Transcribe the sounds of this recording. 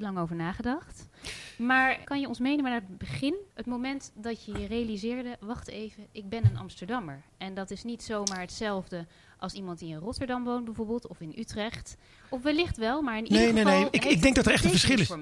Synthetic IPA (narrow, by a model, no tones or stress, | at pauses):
lɑŋowvəɹnaːχədɑχtmaːɹkɑnjəɔnsmejnəmaːnaːədbəχɪnətmowmɛntdɑtəjərejalizɪːɹdəʋɑχtejvəʔɪɡ̚bɛnənɑ̰mstəɹdɑməɹɛndɑtɪsnitsowmaːɹɦətsɛlˠvdə | ʔɑlˠsimɑntdiɪnrɔtəɹdɑmʋowntbɛvoɹbɪːlˠtɔfɪnʔytrɛχt | ɔfʋɛlɪχtʋɛlˠmaːɹɪnineenejɪɪɡ̚dɛŋk̚dɑtəɹɛχtəvəɹsχɪlɪf